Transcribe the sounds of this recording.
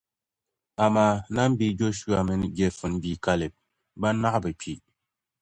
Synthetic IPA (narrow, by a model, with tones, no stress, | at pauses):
a˨ma˨na˦m̩˦bi˨d͡ʒo˦ʃu˦a˨mə˨n˨ɡe˨fɨ˨n˦bi˨ka˦le˨p̚ | ba˦na˦ʔbə˨pʰi˨